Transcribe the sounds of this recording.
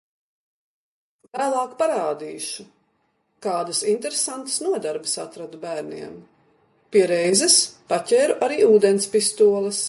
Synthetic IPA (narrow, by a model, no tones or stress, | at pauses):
væːlˠɑːkpaɾaːd̪iːʃu | kaːd̪ɐsint̪eɾesant̪ə̥snuɔd̪aɾbɐsat̪ɾad̪ubæːɾnḭɛm | piɛɾɛjzɛspacʲɛːɾuʔaɾiːuːd̪enspist̪uɔlˠɐs